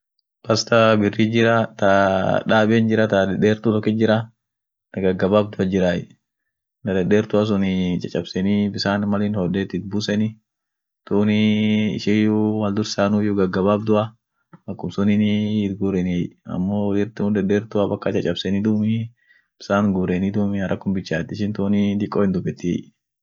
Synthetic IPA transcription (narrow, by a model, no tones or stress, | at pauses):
pɐst̪ɐbɪrːiːd͡ʒɪɾɐt̪ɐᶑaːbeːnd͡ʒɪɾɐt̪ɐd̪ɐdeːɾt̪ʊlɔkːɪd͡ʒɪɾɐ | nɐɡɐɡːɐbaːbd̪ʊɐd͡ʒɪɾaːjɛ | nɐd̪ɐndeːɾt̪ʊɐs̬ʊnɪt͡ʃʼɐt͡ʃʼɐbsɛnibɪsaːnmɐlɪnhɔd̪eːt̪ɪt̪̚busɛnɪ | t̪uːnɪɪ̰ʃɪjʊwɐld̪ʊɾsaːnʊjʊɡɐɡːɐbaːbd̪ʊʔɐ | ɐkːʊmsʊnɪnːt̪ɡuːɾɛnijɐ̰mːoːwɔlɪɾt̪ʊʊd̪ɐndeːɾt̪ʊabɐkːɐt͡ʃʼɐt͡ʃʼːɐbsɛnɪd̪uːmɪ | b̥ɪ̥saːnɡuːɾeːnid̪uːmɪɐɾʔɐkːʊmbɪt͡ʃːaːt̪ːɪʃɪnt̪uːnɪd̪ɪkʼːoːhɪnd̪ʊbɛt̪ːɪ̰jʔ